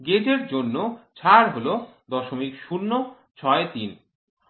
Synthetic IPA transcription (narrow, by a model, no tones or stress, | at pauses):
ɡed͡ʑeɾd͡ʑonːot͡ɕʰaɾɦolod̪ɔʃomikʃunːo | t͡ɕʰɔet̪in